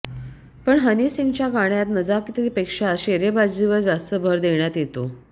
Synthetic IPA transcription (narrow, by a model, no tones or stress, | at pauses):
pəɳɦənisiŋɡt͡ɕjaɡaɽ̃jat̪məd͡zakit̪əɾipekʂaəɕeɾebad͡ʑd͡ʑiʋəɾd͡zast̪əbʱɔɾd̪eɳjat̪jet̪o